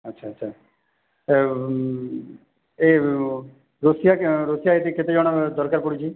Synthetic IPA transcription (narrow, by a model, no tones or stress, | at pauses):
ətːʃʰaːətːʃʰaː | eː | ɾosɪjaɾosɪjaːeːt̪iːkɪt̪ed͡ʒaːɽ̃ad̪ɔɾkəɾpʊɽit͡ʃiː